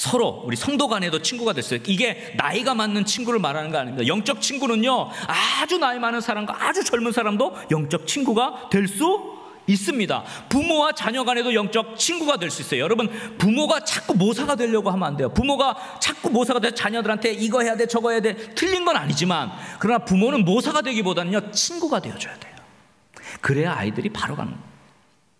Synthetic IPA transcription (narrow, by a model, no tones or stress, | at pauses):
sʰʌɾouɾisʰʌŋdoɡane̞dot͡ɕʰinɡuɡadwe̞ɭs͈uiɡe̞ | na̰iɡamanːɯnt͡ɕʰinɡuɾɯɭmaɾanɯnɡʌaɲimdojʌŋk̚t͡ɕ͈ʌk̚t͡ɕʰinɡunɯɲoad͡ʑunaimanɯnsʰaɾamɡwa̰ʔad͡ʑut͡ɕʌɭmunsʰaɾamdojʌŋt͡ɕ͈ʌk̚t͡ɕʰinɡuɡatwe̞ɭs͈u | is͈ɯmɲida̰ | pumowat͡ɕaɲʌɡanɦe̞dojʌŋt͡ɕ͈ʌk̚t͡ɕʰinɡuɡadwe̞ɭs͈uis͈ʌjojʌɾʌbɯnpumoɡat͡ɕʰak̚k͈umosʰaɡadweʎːʌɡohamʌnande̞jopumoɡa | t͡ɕʰak̚k͈umosʰaɡadeʌt͡ɕaɲʌdɯɾɦantʰe̞iɡʌɦe̞jadet͡ɕʌɡʌɦejadetʰɯʎːinɡʌnaɲid͡ʑimankɯɾʌnapumonɯnmosʰaɡadwe̞ɡibodanɯɲʌt͡ɕʰinɡuɡadwe̞jʌd͡ʑʌjad̥e̞jo̥ | kɯɾe̞a̰idɯɾipaɾoɡa̰nɯ̰nɡʌ